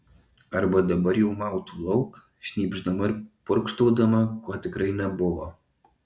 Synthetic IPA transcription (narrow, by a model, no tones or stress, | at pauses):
ɐɾbɐd̪ɐbɐɾjɛʊmɑʊt̪ulˠɐʊk | ʃʲnʲiːbʒd̪ɐmɐɾpʊɾkʃt̪oːd̪ɐmɐkɔːt̪ʲɪkɾɐɪnʲɛbʊʋɐ